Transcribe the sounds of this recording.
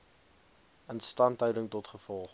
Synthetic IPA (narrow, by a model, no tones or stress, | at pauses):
ənstɐntœɥdəŋtɔtχəfɔlˠχ